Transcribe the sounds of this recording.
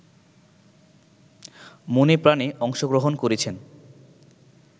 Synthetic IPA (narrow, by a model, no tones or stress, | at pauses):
monepɾaneʔɔŋʃoɡɾoɦonkoɾet͡ɕʰen